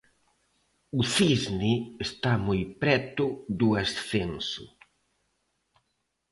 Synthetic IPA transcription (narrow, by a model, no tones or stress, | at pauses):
ʊθizniest̪amojpɾɛt̪ʊðuasθensʊ̰